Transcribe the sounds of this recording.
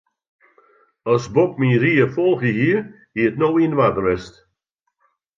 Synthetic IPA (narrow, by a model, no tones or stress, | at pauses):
ɔsbɔp̚miɾiːəfɔlˠxjəɦiːəɹ | hiːətnowinʋadəɹɛst